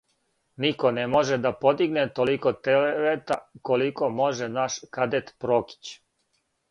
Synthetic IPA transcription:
niko̞nemo̞ʒed̪apod̪iɡnet̪olikot̪eleʋet̪ako̞liko̞mo̞ʒenaʃkad̪et̪pɾoki̥t͡ɕ

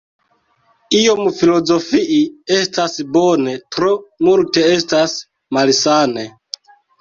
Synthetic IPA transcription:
io̞mfilo̞zo̞fiʔie̞stasbo̞ne̞tɾo̞multe̞e̞stas | malsane̞

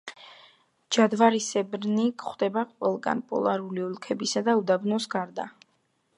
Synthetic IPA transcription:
d͡ʒad̪vaɾisɛbɾnikχd̪ɛbaqʼwɛlˠɡa̰npʼɔ̰lˠaɾuliulˠkʰɛbisad̪aud̪abnɔsɡaɾd̪a

